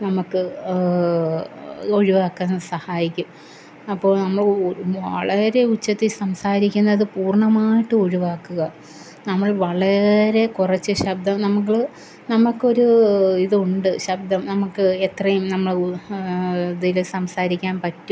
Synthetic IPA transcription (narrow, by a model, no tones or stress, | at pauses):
nɐmukːɨ | o̞ɻiʋaːkːanːsɐhaːjikʲːum | ɐpːo̞ːɭnɐmːɐɭʋɐɭɐɾe̞ut͡ɕːɐt̪ːilsɐmsaːɾikʲːunːɐðɨpuːrɳɐmaːjiʈːɨo̞ɻiʋaːkːuɣɐ | nɐmːɐɭʋɐɭɐɾe̞kurɐt͡ɕːɨɕɐb̚d̪ɐmnɐmukːiɭ | nɐmːukːo̞ɾuiðuɳɖɨɕɐb̚d̪ɐmnɐmukːɨet̪rɐjumnɐmːɐɭ | ðilsɐmsaːɾikʲːaːnpɐtːum